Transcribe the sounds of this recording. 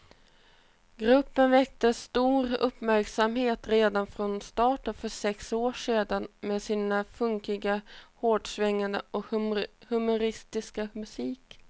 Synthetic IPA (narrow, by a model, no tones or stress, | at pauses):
ɡɾɵpːənvɛk̚t̪əst̪uːɾɵpmæɾksamheːt̪ɾeːd̪anfɾɔnst̪ɑːʈənfœʂɛksoːʂeːd̪anmeːd̪siːnafɵŋkɪɡahoːɖʂvɛŋːand̪ə̰ʔɔhɵmʊɾɪst̪ɪskamɵsiːk